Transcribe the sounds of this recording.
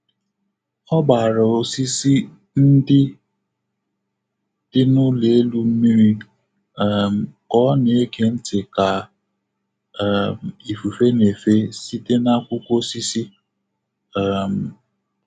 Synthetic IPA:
ɔ˦ba˨ɾa˨o˨si˦si˦ | n̩˦dɪ˦ | d̥ɪ˦nʊ˦le˨e˦lu˦m̩˦mi˦ɾi˦ | ɛ˨m̩˨kɔ˨˦ne˨˦ke˦n̩˦tɪ˨ka˨ | m˨i˨fu˨fe˦ne˨fe˦si˦te˦na˦kʷʊ˦kʷo˦si˦si˦ | ɛ˦˨m̩˨

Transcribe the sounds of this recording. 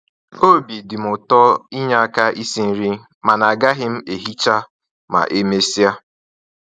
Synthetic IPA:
o˦bi˨dɪ˨m̩ʊ˨tɔ˦i˦ɲa˦a˦ka˦ʔi˦si˦n̩˦ɾi˦ | ma˨na˨ɡa˦ɦɪ˦m̩˦e˨ɦi˦t͡ʃa˦ | ma̰˨ʔe˦me˦si˦a˦

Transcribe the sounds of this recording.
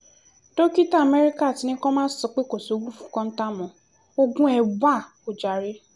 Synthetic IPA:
to˦ki˦ta˦a˨mɛ˦ɾi˦ka˦a˨ti˨˦nĩ˦kɔ̃˦mãː˦sɔ˨k͡pe˦ko˨so˨˦ɡũ˦˨fũ̥˨˦kɔ̃˦n̩˦ta˦mɔ̃˨ | o˦ɡũ˦ɛ˧ɡ͡ba˦˨ | o˨d͡ʒa˨ɾi˦

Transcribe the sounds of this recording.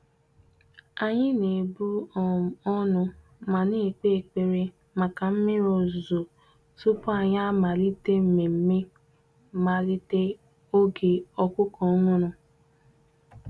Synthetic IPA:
a˦ɲɪ˦ne˨bu˦˨ | ɔ˦nʊ˧ | ma˨ne˦˨k͡pe˦˨k͡pe˨ɾe˦ | ma˨ka˨m̩˦mɪ˦o˨zo˨ | su˦pʊ˦a˨ɲa˦ma˨li˦te˦m̩˨me˨m̩˦me˦ | ma˨li˦te˦ | o˦ɡe˨ɔ˦kʊ˦kɔ˨ɔ˦ŋʊ˦nʊ˨

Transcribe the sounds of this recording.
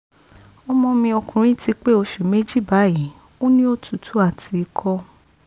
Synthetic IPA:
ɔ˦mɔ̃˧mĩ˧ɔ˧kũ˨ɾ̃ĩ˦ti˧k͡pe˦o˧ʃu˨me˦d͡ʒi˦˨ba˨˦ji˨˦ | o˦nĩ˦o˦tʰu˨tʰu˨˦a˦˨tʰi˨˧i˧kʰɔ˧

